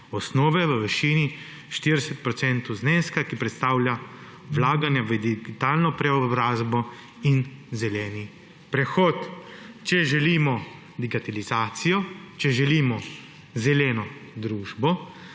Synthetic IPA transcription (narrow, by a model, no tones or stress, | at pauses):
ɔsnɔːʋɛʋəʋɛʃiːni | ʃt̪iɾd̪ɛsɛt̪̚pɾɔt̪sɛnt̪ɔzneːskakipɾɛt̪st̪aːwlʲja | wlaːɡanjaʋəd̪iɡit̪aːlnɔpɾɛɔbɾaːzbɔ | inzɛlɛːni | pɾɛxɔːt̪t͡ʃɛʒɛliːmɔ | d̪iɡat̪alizaːt̪sijɔt͡ʃɛʒɛliːmɔ | zɛlɛːnɔd̪ɾuːʒbɔ